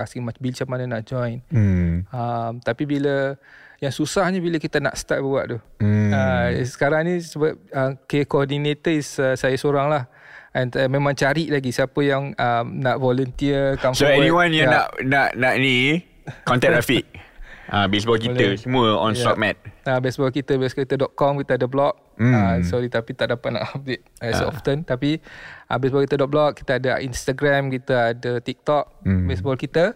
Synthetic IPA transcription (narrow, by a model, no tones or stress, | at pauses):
asimat͡ʃbilt͡ʃamananaʔd͡ʒɔjn̩ | amt̪apibiləjaŋsusahɲəbiləkit̪ana̰ʔst̪aʔ̚bəuaʔd̪uasə̥kaɾaŋnĩsəbap̚əkekoɔdinet̪əisəsajasoɾaŋlah | ɛnmẽmãŋt͡ʃaɾiʔlaɡisiapəjaŋamnaʔvɔlənt̪iəkamsoɛniwãnjana̰ʔnaʔnaʔni | kɔ̃nt̪ɛ̃ʔɹafiʔ̚abes̬bɔlk̬iəsəmũəɔ̰̃nst̪ɔk̚mɛt̪̚abɛsbɔlkit̪əbeskit̪ədɔʔ̪̚kɔmkit̪əadəblɔk̚ | sɔɾit̪apit̪aʔdapat̪̚na̰ʔhap̚diʔ̚ɛsɔ̰ft̪ənt̪apiʔə̰bɛsbɔlkit̪ədɔʔ̚blɔk̚ki̥t̪aadaʔinst̪aɡɾamkit̪əadət̪ik̚t̪ɔk̚besbɔlkit̪ə